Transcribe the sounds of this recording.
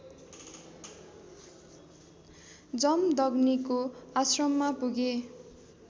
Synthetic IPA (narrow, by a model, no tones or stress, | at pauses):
d͡zʌmd̪ʌɡnikoasrʌmːapuɡe